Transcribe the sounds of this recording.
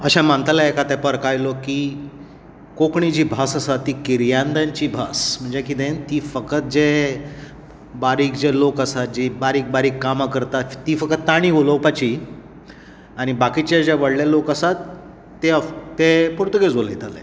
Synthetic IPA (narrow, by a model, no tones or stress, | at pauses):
əɕãmant̪alaekat̪ɛpəɾkajloki | kokɳid͡ʑiːbʱasəsat̪ːiːkiɾjand̪aɲt͡ɕiːbʱasm̤əɳd͡zekit̪ẽnt̪iːfəkət̪̚d͡ʑe | baɾiːkd͡ʑelokəsat̪̚d͡ʑibaɾiːk̚baɾiːkːamakəɾt̪at̪ːiːfəkət̪ːaɽ̃iʋolowpat͡ɕi | aɽ̃ibakit͡ɕad͡ʑeʋəɽljalokəsat̪ː | et̪epuɾt̪uked͡zolejt̪alḛ̃